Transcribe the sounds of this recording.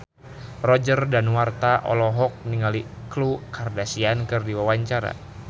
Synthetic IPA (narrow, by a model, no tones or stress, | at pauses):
rɔd͡ʒərdanwart̪aʔɔ̰lɔɦɔk̚niŋaliklukardasiankɨrdiwawaɲt͡ʃaɾa̰